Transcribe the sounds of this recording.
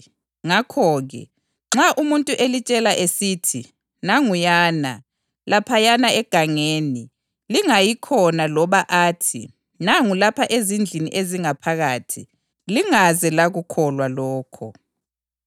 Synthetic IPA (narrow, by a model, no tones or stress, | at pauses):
ŋakʰɔɣɛ̰ | ŋ͡ǁaʔumuntʼuʔelit͡ʃʼɛlaʔesiːtʰi | naŋujaːna | lapʰajanaɛɡ̥ʱaŋeːni | liŋajikʰɔnalɔβaʔaːtʰḭ | naŋulapʰaʔezind͡ɮʱinḭʔeziŋapʰaɣatʰḭ | liŋazɛlaɣukʰɔlwalɔːkʰɔ̰